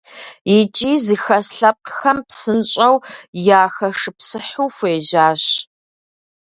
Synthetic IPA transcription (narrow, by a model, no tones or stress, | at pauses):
jit͡ʃʼiːzɨxɐsɬɐp̚qxɐmpsɨnɕʼɐwjaːxɐʂɨpsɨħuːfʷeːʒaːɕ